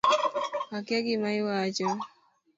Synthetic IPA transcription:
akjaɡimaiwat͡ʃɔ

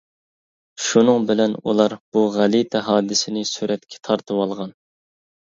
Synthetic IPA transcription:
ʃunɨŋbɪlɛnṵlˠɑɾb̥uʁælit̪ʰɛɦɑːd̪ɪsɪnɪsyɾɛt̪̚kʲʰɛ̥t̪ʰɑɾt̪ʰɨwɑlˠʁɑn

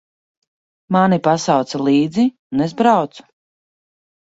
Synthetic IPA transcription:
manipasawt̪salˠiːd̪zi | nezbɾawt̪su̥

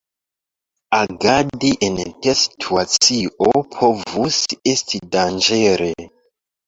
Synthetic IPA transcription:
aɡadiʔentesi̥tʰuat͡siʔopʰovusestʰidand͡ʒeɾe

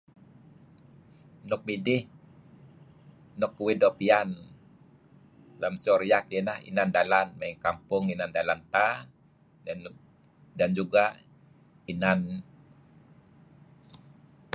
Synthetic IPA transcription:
nʊk̚bidɪh | nʊkuwidɔpian | lamsiɔɾijakɛnahḭnandalanmaiŋkampʊŋinandalant̪a | dand͡ʒuɡa | inan

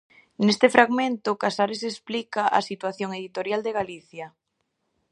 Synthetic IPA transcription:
nest̪efɾaɣmẽnt̪ʊkasaɾesesplikaʔa̰sit̪waθjoŋeðit̪oɾjald̪eɣaliθjɐ

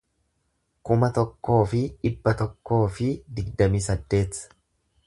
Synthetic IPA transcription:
kʊmɐt̪ɔkːo̞ːfɪᶑɪbːɐt̪ɔkːo̞ːfɪd̪ɪɡd̪ɐmiːsɐd̪ːe̞ːt̪sɐ̥

